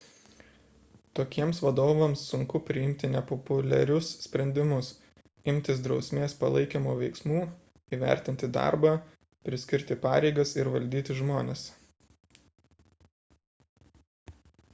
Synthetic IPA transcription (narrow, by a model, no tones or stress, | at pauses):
t̪oːkʲiɛmsʋɐd̪oːʋɐmsːʊŋkʊpʲɾʲɪɪmʲt̪ʲɪnʲɛpɔpʊlʲɛɾʲʊssʲpʲɾʲɛnʲd̪ʲɪmʊs | ɪmʲt̪ʲɪs̬d̪ɾɒʊsʲmʲeːspɐlˠɐɪkʲeːmoːʋʲɛɪksmuː | iːʋʲæ̰ˑɾʲt̪ʲɪnʲt̪ʲɪd̪ɑ̰ɾbɑː | pʲɾʲɪsʲkʲɪɾʲt̪ʲɪpɑ̰ːɾʲɛɪɡɐsɪɾʋɐlʲd̪ʲiːt̪ʲɪʒmoːnʲeːs